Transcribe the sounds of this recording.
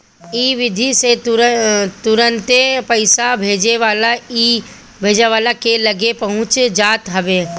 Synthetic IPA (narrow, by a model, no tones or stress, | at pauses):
iːʋɪd̪ʱise | t̪ʊɾə̃nt̪epɐɪsabʱeːd͡ʒeʋaːlaiː | bʱeːd͡ʒaʋaːlakelɐɡepɐɦʊ̃t͡ʃd͡ʒaːt̪ɦɐʋeː